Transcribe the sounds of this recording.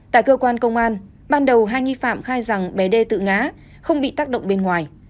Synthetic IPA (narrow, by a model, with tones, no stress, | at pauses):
t̪a̰ː˧˨jkəː˧kwaː˧nkə˧wŋ͡mʔaː˧n | ɓaː˧nɗə˨˩wɦaː˧jŋi˧fa̰ː˧˨mxaː˧jza˨˩ŋɓɛ˨˩ɗe˧t̪ɨ̰˧˨ŋaː˨˦ | xə˧wŋ͡mɓḭ˧˨t̪aː˦˥k̚ɗə̰˧˨wŋ͡mɓe˧nŋwaː˨˩j